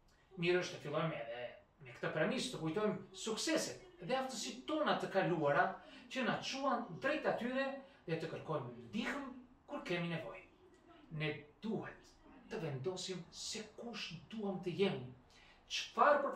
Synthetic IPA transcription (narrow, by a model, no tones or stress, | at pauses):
miɾəʃt̪əfilˠɔjmɛðɛ | nɛkt̪əpɾɛmist̪əkujt̪ɔjmsuksɛsɛt̪ðɛaft̪əsit̪ɔnat̪əkaluaɾacənat͡ʃuand̪ɾɛjt̪at̪yɾɛðɛt̪əkəɾkɔjmməd̪ihəm | kuɾkɛminɛvɔj | nɛd̪̥uhɛt̪ː | əvɛnd̪ɔsimsɛkuʃd̪uamt̪əjɛmi | t͡ʃəfaɾpəɾ